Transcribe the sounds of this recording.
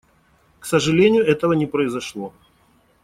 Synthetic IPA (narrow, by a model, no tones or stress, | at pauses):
ksəʐɨlʲenʲɪjʊɛt̪əvənʲɪpɾəɪzɐʂlˠo